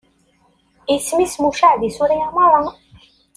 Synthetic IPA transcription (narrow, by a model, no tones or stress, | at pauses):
ismismuʃaʕðisuɾiamɑɾˤɑn